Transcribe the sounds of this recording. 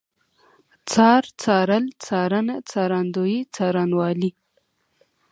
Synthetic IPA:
t͡sɑːɾt͡sɑːɾəlt͡sɑːɾanat͡sɑːɾɑnd̪ojit͡sɑːɾɑnwɑːli

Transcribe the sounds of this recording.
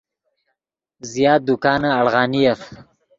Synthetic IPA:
zijɑːt̪̚d̪ʊkɑːnaaɭɣɑːnijaf

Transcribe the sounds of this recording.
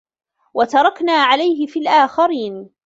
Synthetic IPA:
wat̪ɑɾˤɑknaːʕalajɦɪfiːlʔaːxɑɾiːn

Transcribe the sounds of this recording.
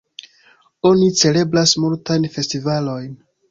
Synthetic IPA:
o̞nit͡se̞le̞blasmultajnfe̞stivalo̞jn

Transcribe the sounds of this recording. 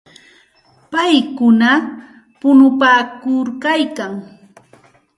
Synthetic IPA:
pajkʊna | pʊnʊpaːkʊɾkajkaŋ

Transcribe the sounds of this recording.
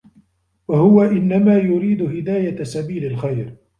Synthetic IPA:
wahʊwaʔɪnːamaːjʊɾiːd̪ʊhɪd̪aːjasabiːlalxajɾ

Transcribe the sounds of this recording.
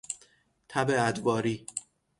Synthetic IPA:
t̪ʰæbeæd̪bɒːɾiː

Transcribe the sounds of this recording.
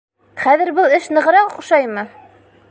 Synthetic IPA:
χæðɘ̆ɾbɤlˠɘʃnɤ̆ʁɤ̆ɾɑqχuʃɑjmɤ

